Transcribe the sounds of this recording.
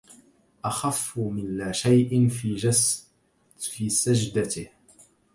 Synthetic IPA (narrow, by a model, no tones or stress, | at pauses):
ʔaxafːmɪnlaːʃajʔɪn | fiːsad͡ʒd̪at̪ɪh